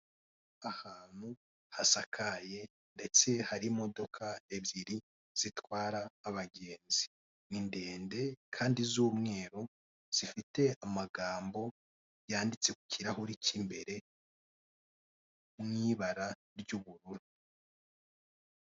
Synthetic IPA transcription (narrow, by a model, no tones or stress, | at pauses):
ahaːn̥hu | hasakʰaje̞ | nde̞t͡se̞haɾimo̞do̞kʰaeβjiɾi | z̥itwaːɾaːβaɡe̞ːnzi | ninde̞ːnde̞kʰaːndizuːmŋe̞ːɾo | z̥ifite̞amaɡaːmbo̞ | jaːndit͡se̞ku̥ciɾahoɾicimbe̞ɾe̞ | mŋiβaɾa | ɾjuβuɾuɾu